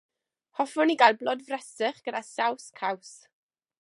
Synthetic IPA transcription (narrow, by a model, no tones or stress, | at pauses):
hɔfʊniɡajlˠblˠɔdvrɛsəχɡ̥ədasawskʰaws